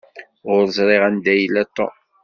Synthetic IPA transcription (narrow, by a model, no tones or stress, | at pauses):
ʊɾzˤɾˤeʁænd̪æjlæt̪ˤːo̰